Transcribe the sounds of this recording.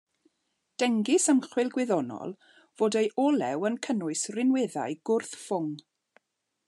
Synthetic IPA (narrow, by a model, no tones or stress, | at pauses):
d̥ɛŋɡɪsəmχwɪlˠɡwɪðɔnɔ̰lˠ | v̥oːdejʔɔlɛwənkʰənʊɨsrɪnweða̰jɡ̥ʊrθfʊŋ